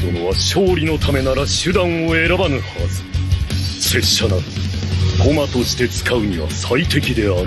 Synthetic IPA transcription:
onoβaɕoːɾʲino̞t̪ʰame̞naɾaɕɨd̪ãɰ̃oe̞ɾabanɯhasɨ̥ | se̞ɕana | kʰo̞mat̪o̞ɕi̥t̪e̞t͡sɨ̥kaɯ̟ɲ̟iβa̰sait̪e̞kʲid̪e̞aɾ

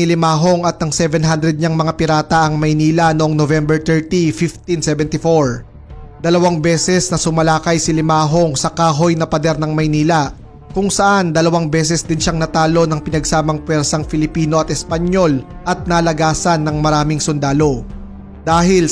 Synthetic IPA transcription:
ɪlɪmaːɦo̞ŋɐt̪̚nɐŋsɛvɛnɦand̪ɾɛd̪̚ɲaŋmɐŋapɪɾaːt̪ɐʔɐŋmɐjniːlɐnoʔoŋnovɛmbɛɹt̪ɛɹt̪ifift̪insɛvɛnt̪ɪfoɹ | d̪̥ɐlɐwaŋbɛːsɛsnɐsʊmɐlaːkɐjsɪlɪmaːɦo̞ŋsɐkaːɦo̞jnɐpɐd̪ɛɾnɐŋmɐjniːlɐ | kʊŋsɐʔand̪ɐlɐwaŋbɛːs̬ɛsd̪ɪnʃaŋnɐt̪aːlo̞nɐŋpɪnɐɡsaːmɐŋpwɛɾsɐŋfɪlɪpiːno̞ʔɐt̪ʔɛspɐɲo̞l | ʔɐt̪̚nɐlɐɡaːsɐnːɐŋmɐɾaːmɪŋsʊnd̪aːlo̞ | d̪aːɦɪl

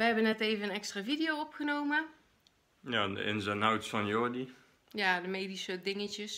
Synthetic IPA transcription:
ʋəɦɛbənɛtejvənənɛkstraːvidɪjowɔpχənowmə | jaːdə̰ʔɪ̰nzənawtsfɑnjɔdi | jaːdəmejdisədɪŋəcəs

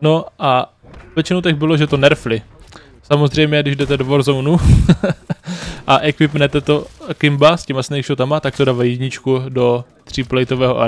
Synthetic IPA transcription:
no̞ʔa | vjɛt͡ʃɪnowt̪ɛxbɪloʒɛt̪o̞nɛɾflɪ | samozr̝ɛjmɲɛɡdɪʒdɛt̪ɛdovoɾzownu | ʔaʔɛkvɪpnɛt̪ɛt̪o̞kɪmbascɛmasnɛjkʃot̪amat̪ak̚t̪odaːvajɪzɲɪt͡ʃkudo̞t̪r̝̥iplɛjt̪ovɛːɦoʔa̰

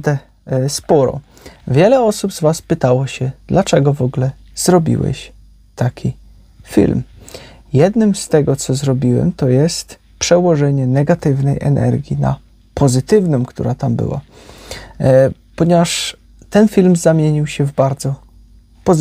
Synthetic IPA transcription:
d̪ɛ | spɔɾɔ̰ | vʲjɛlɛɔsubzvaspɘt̪awɔɕɛd̪̥lat͡ʂɛɡɔvɔɡlɛ | z̥ɾɔbʲḭwɛ̰ɕ | t̪akʲʰi | fʲḭlmjɛd̪nɘmst̪ɛɡɔt̪sɔzɾɔbʲiwɛ̰mt̪ɔjɛst̪ | pʂɛwɔʐɛɲɛnɛɡat̪ɘvnɛjʔɛ̰nɛ̰ɾɡʲjina̰ | pʰɔzɘt̪ɘvnɔmkt̪ṵɾat̪ambɘ̰wa̰ | pɔɲɛvaʂ | t̪ɛnfʲilmzamʲjeɲiwɕɛvbaɾd̪zɔ | pɔz

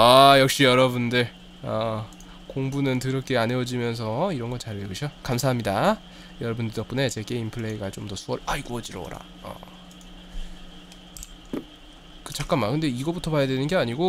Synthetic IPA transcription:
ajʌk̚ɕ͈ijʌɾʌbundɯɭ | ʌ | koŋbunɯntɯɾʌk͈eane̞wʌd͡ʑimjʌns̬ʰʌiɾʌnɡʌnt͡ɕaɾeuɕʰʌkamsʰaɦamɲida | jʌɾʌbuntidʌp͈une̞t͡ɕe̞ɡe̞inpʰɯɭːe̞iɡat͡ɕomdʌsʰuʌɭaiɡuʌd͡ʑiɾʌ̰wʌ̰ɾa̰ | ʌ̰ | kɯt͡ɕak͈amːakɯnde̞iɡʌbutʰʌpajadwe̞nɯnɡe̞aɲiɡo

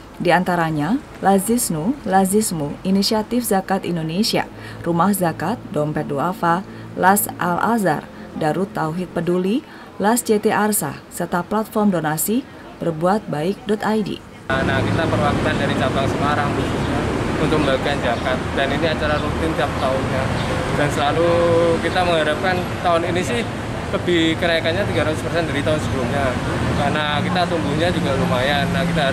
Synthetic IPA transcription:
diant̪aɾaɲa | lazisnulazismuinisiat̪ɪfzakat̪indonesia̰ | rumahzakat̪̚dɔmpɛduafa | lasʔa̰lʔa̰za̰r | daɾut̪ːauɦɪt̪̚pəduli | lasd͡ʒet̪eʔarsa̰sərt̪aplat̪̚fɔrmdonasi | b̥ərbuat̪̚baɪk̚dɔt̪ajdḭ | nakit̪apərwakunandaɾit͡ʃabaŋsəmaɾampusuɲaunt̪ʊk̚məmbaikand͡ʒakat̪̚daniniat͡ʃaɾaɾut̪ɪnt̪iap̚t̪aʊnɲa | d̥ansəlalukit̪aməŋɦaɾap̚kan | t̪aʊninisɪh | ləbihkəɾajakanɲat̪iɡaɾat̪ʊspərsɛndaɾit̪aʊnsəbulumɲa | karnakit̪at̪umbuɲad͡ʒuɡaɾumajanːahkit̪a

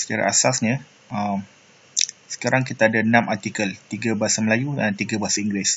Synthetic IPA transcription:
sə̥t͡ʃaɾa̰ʔa̰sasɲə | əm | sə̥kaɾaŋkit̪aːdaənãmʔart̪ikəlt̪iɡabaasaməlajudant̪iɡabaasaiŋɡɾɪs

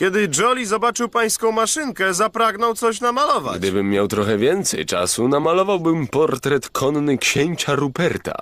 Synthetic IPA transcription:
kʲɛd̪ɘd͡ʐɔlʲizɔbat͡ʂɘwpaj̃skɔ̃w̃maʂɘŋkɛzapɾaɡnɔwt̪sɔɕ̬namalɔva̰ɡd̪ɘbɘmːjawt̪ɾɔxɛvʲjɛnt̪sɛ̰jt͡ʂa̰sunamalɔvawbɘmpɔɾt̪ɾɛt̪kʰɔnːɘkɕeɲt͡ɕaɾupɛɾt̪a̰

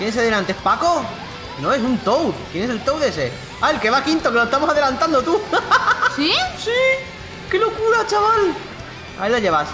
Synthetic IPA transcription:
kjenes̬eðenãnt̪espako | nões̬unt̪owkjenese̞lt̪owðese | alke̞βakint̪okeloest̪amosaðe̞lant̪and̪ot̪u | sisi | kelo̞kuɾat͡ʃaβal | a̰ilaʝeβas

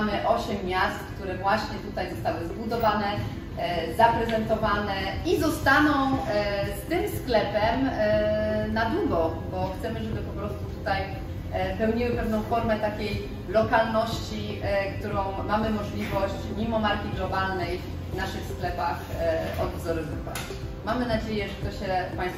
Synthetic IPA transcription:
mɘʔɔɕɛmːjast̪kt̪uɾɛvwaɕɲɛt̪ut̪ajzɔst̪awɘzbud̪ɔvanɛ | zapɾɛzɛnt̪ɔvanɛizɔst̪anɔ̃w̃st̪ɘmsklɛpɛm | nad̪uɡɔbɔxt̪sɛmɘʐɛbɘpɔpɾɔst̪ut̪u̥t̪aj | pɛwɲiwɘpɛvn̪ɔ̃w̃fɔɾmɛt̪akʲej | lɔkalnɔɕt͡ɕi | kt̪uɾɔ̃w̃mamɘmɔʐlʲivɔɕt͡ɕmʲimɔmaɾkʲiɡlɔbalnɛj | naʂɘxsklɛpaxʔɔ̰d̪zɔɾɛzuka̰ | mamɘnad͡ʑejɛʐɛt̪ɔɕɛfpaj̃st̪

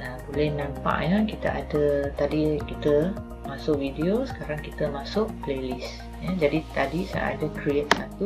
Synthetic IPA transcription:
əbolɛhnãmpa̰ʔjakit̪a̰ʔadət̪adikit̪ə | masʊkwideosə̥kaɾaŋkit̪əmasʊʔplelis | jad͡ʒadit̪adisa̰a̰dəkɾiet̪̚sat̪u

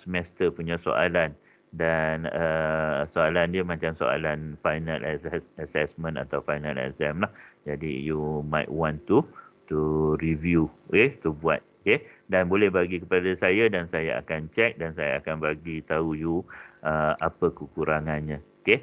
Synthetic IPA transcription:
səmɛst̪əpuɲãso̰ʔa̰lan | danəsoalandiamãt͡ʃamso̰a̰lanfajnalʔasɛsasɛsmə̃na̰t̪awfajna̰lɛ̰sɛmlahd͡ʒadḭjumajt̚wãnt̪ut̪uɾivjuket̪ubua̰t̪̚kedanbolɛhbaɡikəpadasajadansajaʔa̰kant͡ʃɛk̚dansaja̰akanbaɡit̪aujuʔəapəkəkuɾaŋanɲãoke

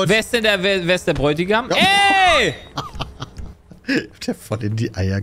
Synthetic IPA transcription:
veːɐsd̥ɛndeɐveːɐveːɐsd̥eɐbʁɔʏtɪɡamɛ | d̥eɐfɔlɪndiːʔaɪɐ

